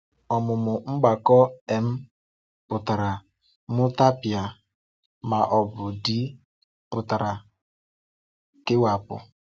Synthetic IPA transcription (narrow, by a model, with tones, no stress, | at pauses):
ɔ˨mʊ˨mʊ˨ŋ͡m̩˦ɡ͡ba˨kɔ˦e˨m̩˦ | pʊ˨ta˨ɾa˨ | mʊ˦ta˦pja˨ | ma˨ʔɔ˨bʊ˨di˦ | pʊ˨ta˨ɾa˨ | kɪ˦wa˨pʊ̰˨